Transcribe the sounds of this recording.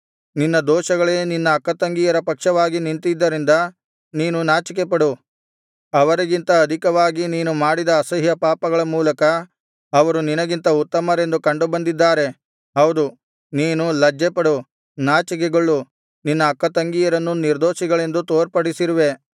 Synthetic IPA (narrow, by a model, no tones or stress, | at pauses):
ninːɐd̪oːʃɐɡɐɭeːninːɐːkːɐt̪ɐŋɡijɐɾɐpɐkʂɐʋaːɡinint̪id̪ːɐɾind̪ɐ | niːnunaːt͡ʃik̬epɐɽu | ɐʋɐɾiɡint̪ɐːd̪ʱikɐʋaːɡiniːnumaːɽid̪ɐːsɐɦjɐpaːpɐɡɐɭɐmuːlɐkɐ | ɐʋɐɾuninɐɡint̪ɐut̪ːɐmɐɾe̞nd̪ukɐɳɖubɐnd̪id̪ːaːɾe̞ | ɦɐwd̪u | niːnulɐd͡ʒːepɐɽu | naːt͡ʃik̬eɡoɭːu | ninːɐːkːɐt̪ɐŋɡijɐɾɐnːuniɾd̪oːʃiɡɐɭe̞nd̪ut̪oːɾpɐɽisiɾuʋe̞